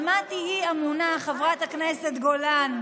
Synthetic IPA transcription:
mat̪ihiamunaχavʁat̪hakneset̪ɡolan

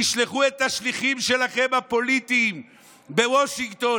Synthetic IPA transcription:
iʃleχuet̪ːaʃliχimʃe̞laχe̞mapo̞lit̪iːm | be̞woʃiŋɡt̪o̞

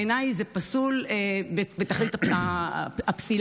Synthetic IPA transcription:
enajzepasulebebet̪aχlit̪aaapsil

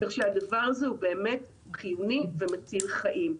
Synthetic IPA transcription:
eχʃeadavaʁazeube̞ːme̞t | χijunivemat͡silχaʔim

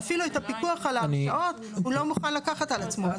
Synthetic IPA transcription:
afiluetapikuaχalanʔo̞t | ulo̞muχanlakaχatalat͡smo̞

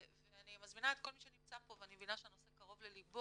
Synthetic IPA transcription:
veanimazminaetko̞lmiʃenimt͡sapo̞veanimevinaʃeano̞sekaʁo̞vlelibo

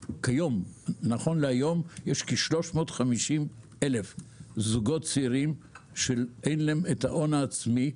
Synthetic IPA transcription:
kajo̞mnaχo̞nleajo̞mjeʃkiʃlo̞ʃmo̞tχamiʃim | elefzuɡo̞tt͡siiʁimʃelenlemetha̰ʔo̞naːt͡smi

